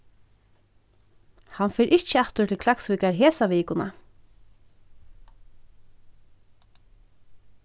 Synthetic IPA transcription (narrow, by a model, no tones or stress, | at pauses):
hanfɛːɾʔɪt͡ʃəat̪ʊt̪ʰɪlkʰlaksviːkaɹɦeːsaʋiːkʊna̰